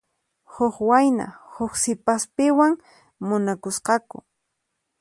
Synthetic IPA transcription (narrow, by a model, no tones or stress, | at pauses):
hʊxwajna̰hʊxsɪpaspɪwaŋ | mʊnakʊsqɑkʊ̰